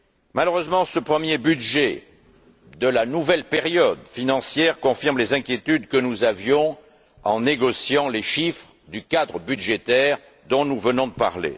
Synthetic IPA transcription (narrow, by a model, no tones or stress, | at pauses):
maløʁøzmɑ̃səpχəmjebyd̪ʒe | d̪əlanuvɛlpeʁjɔd̪finɑ̃sjɛʁkɔ̃fiʁmlezɛ̃kʲjet̪yd̪kənuzavjɔ̃ | ɑ̰̃neɡɔsjɑ̃leʃifχəd̪ykad̪ʁəbydʒet̪ɛʁ | d̪ɔ̃nuvənɔ̃d̪əpa̰ʁlḛ